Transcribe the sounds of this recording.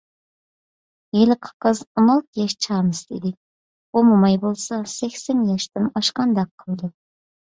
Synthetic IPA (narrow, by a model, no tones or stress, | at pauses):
jelɪqʰə̥qːəzonɑlˠt̪ʰɨjɑʃt͡ʃʰɑɾmɨsd̪ḛd̪ɪ | omumɑjbolˠsɑsekʲsenjɑʃt̪ɨnɑʃqɑnd̪ɑqʰːəlˠd̪ɨ